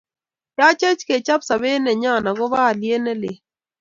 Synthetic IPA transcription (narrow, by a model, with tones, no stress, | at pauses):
ja˦t͡ʃɛ˦t͡ʃke˨t͡ʃa˦psa˨βe˦nɛ˨ɲa˦˨na˨ɡɔ˦ba˦˨lje˦nɛ˦lɪ̰˨